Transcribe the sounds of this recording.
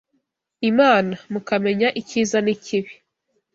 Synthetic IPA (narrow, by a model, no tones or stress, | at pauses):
imaːnamukame̞ɲaʔiciːzaniciβi